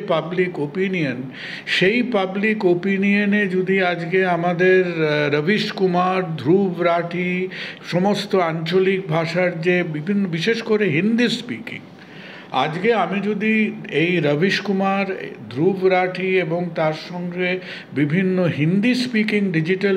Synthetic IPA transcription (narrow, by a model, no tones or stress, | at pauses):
pablikopinijon | ʃejpablikopinioned͡ʑud̪iad͡ʑɡeamad̪eɾːəbiʃkumaɾd̪ʱɾubʱɾaʈʰiʃɔmost̪oant͡ɕolik̚bʱaʃaɾd͡ʑebibʱinːobiʃeʃkoɾeɦind̪ispikḭŋ | a̰d͡ʑɡeamid͡ʑud̪iejɾəbʱiʃkumaɾd̪ʱɾubʱɾaʈʰieboŋt̪aɾʃɔŋɡe | bibʱinːoɦind̪ispikiŋɖid͡ʑiʈal